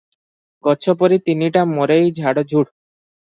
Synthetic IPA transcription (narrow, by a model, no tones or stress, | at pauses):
ɡɔt͡ʃʰɔpɔɾit̪iniʈamoɾejd͡ʒʱaɽɔd͡ʑʱuɽ